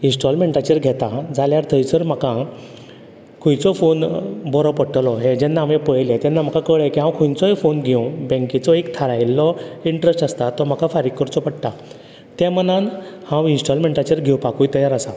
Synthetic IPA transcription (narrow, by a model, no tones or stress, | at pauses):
insʈɔlmeɳʈat͡ɕəɾɡʱɛt̪ãd͡zʱaljaɾt̪ʰəjt͡səɾm̤akã | kʰũjt͡sɔfonbɔɾɔpəɽʈəlɔɦẽd͡ʑɛnːaːʋẽpəɭjlɛ̃t̪ɛ̃nːam̤akakəɭɛkiɦãwkʰujt͡sɔefonɡʱewbɛ̃ŋkit͡sɔekt̪ʰaɾajlːɔiɳʈɾesʈəst̪at̪ːɔm̤akafaɾikːəɾt͡sɔpəɽʈa | t̪ɛ̃mənanhãwinsʈɔlmẽɳʈat͡ɕəɾɡʱewpakujt̪əjaɾəsa